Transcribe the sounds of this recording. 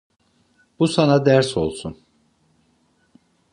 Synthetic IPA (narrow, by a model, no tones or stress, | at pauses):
b̥usanad̪æɾso̞̰lˠsun